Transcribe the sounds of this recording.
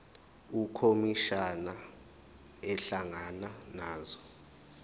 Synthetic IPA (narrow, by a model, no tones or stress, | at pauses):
ukʰomiʃana | ɛɬaŋananaːzɔ